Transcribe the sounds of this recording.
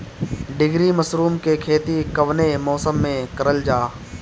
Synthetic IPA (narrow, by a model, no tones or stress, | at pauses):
ɖɪɡɾimɐsɾuːmkekʰeːt̪ikɐʋnemɔːsəmːẽkɐɾəld͡ʒaː